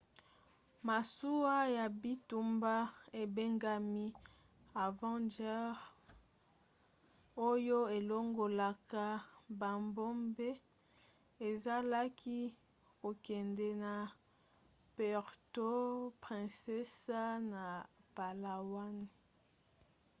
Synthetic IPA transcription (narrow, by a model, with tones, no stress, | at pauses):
ma˨su˦wa˦ja˨bi˦tu˨mba˦e˨be˦ŋɡa˨mi˦ | a˨vɑ̃˦ndɛ˦ʁ | o˦jo˦e˨lo˦ŋɡo˨la˨ka˦ba˨mbo˦mbe˦ | e˨za˦la˦kʰi˦ | ko˨kɛ˨ndɛ˨na˨ | pɛ˨ʁto˦pʁɛ̃˨sɛ˦sa˦na˨pa˨la˨wa˦ni˨